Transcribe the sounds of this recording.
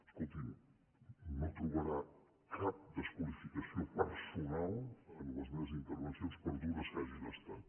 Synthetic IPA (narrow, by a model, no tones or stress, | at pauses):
əskulˠt̪im | not̪ɾuβəɾa | kap̚d̪əskulifikəsiopəɾsunalˠənləzmeβəzint̪əɾβənsjonspəɾd̪uðəsaʒiləst̪at̪